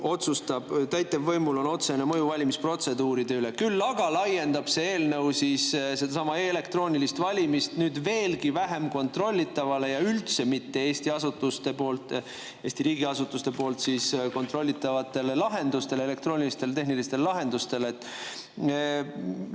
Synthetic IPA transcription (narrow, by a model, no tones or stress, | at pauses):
o̞t̪sust̪ɑb̥t̪æjt̪ːˑevːɤjmulo̞no̞t̪se̞nemɤ̞juvɑlʲimispro̞t̪se̞d̪uːɾid̪̥e̞yle̞kylːɑɡ̥ɑlɑje̞nd̪̥ɑb̥se̞e̞ːlnɤ̞wsissed̪̥ɑsɑmɑele̞kt̪ro̞ːnilist̪vɑlʲimist̪nyːd̪ve̞ːlkivæɦe̞mko̞nt̪ro̞lʲːit̪ːˑɑvɑle̞jɑylt̪se̞mit̪ːe̞e̞ːsʲt̪iɑsut̪ːˑust̪e̞po̞ːlt̪ˑː | e̞ːsʲt̪iɾiːɡiɑsut̪ːˑust̪e̞po̞ːlt̪siːsko̞nt̪ˑro̞lʲːit̪ːˑɑvɑt̪ˑːe̞lelɑɦe̞nd̪ust̪e̞le̞le̞k̚t̪roːnilist̪e̞lt̪e̞ɦnilist̪e̞llɑɦe̞nd̪ust̪e̞let̪ːˑ